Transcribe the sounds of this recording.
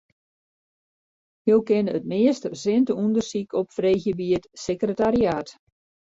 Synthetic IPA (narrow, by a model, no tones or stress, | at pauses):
howˠkɪnəətmɪəstzɪntəundərsikʰɔpfrejxjəbiətsekrətaɾiaːt